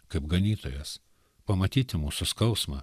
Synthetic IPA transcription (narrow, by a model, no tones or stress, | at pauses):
kɐɪpɡɐnʲiːt̪o̰ːjɛs | pɐmɐt̪ʲiːt̪ʲɪmuːsʊskɐʊsmɐ̰ː